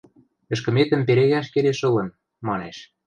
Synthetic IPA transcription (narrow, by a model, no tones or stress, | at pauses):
ɘ̆ʃ̬kɘ̆met̪ə̆mpeɾeɣæʃkeleʃɤ̆lɤ̆n | mɑneʃ